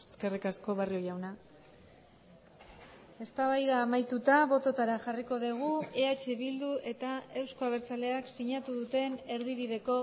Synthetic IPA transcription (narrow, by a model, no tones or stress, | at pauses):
ske̞rikasko̞β̞ario̞jawna | e̞st̪aβajðaːmajt̪ut̪aβo̞t̪o̞t̪aɾaxariko̞ðiɣ̞ue̞at͡ʃe̞βild̪uʔe̞t̪ae̞wsko̞aβ̞e̞ɾt͡sale̞aksiɲat̪uðut̪e̞ne̞ɾðiβiðe̞ko̞